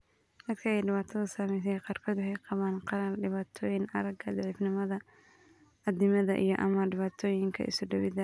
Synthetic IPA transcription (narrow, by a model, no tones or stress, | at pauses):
d̪̥ɐt̪kʰɐɛjɖɪβaːt̪ʰɐðɐsaːmɛjs̬ɛjqɑːrkʰɔðʊhɛjqɑβaːnqɑɾɐlɖɪβaːt̪ʰɔːjɪnʔɐ̰ɾɐɡɐd̪ʕiːfnɪmɐðɐ | ʔɐd̪ɪmɐðɐ̰ʔḭjɔʔɐmɐɖɪβaːt̪ʰɔːjɪŋkʰɐ̰ʔɪ̰sʊɖɐβɪðɐ